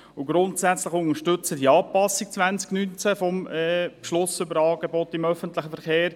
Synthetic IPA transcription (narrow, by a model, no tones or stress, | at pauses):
ʊɡ̥ɾʊntsæt͡sləχʊŋəɾʃtʏt͡sədiɑːpɑsik̚t͡sʋænt͡sknynt͡sæfɔmɛpʃlʊsʏbəɾɑːɡ̥ebɔt̪ɪmœfənt̪ləχəfəɾχeːɾ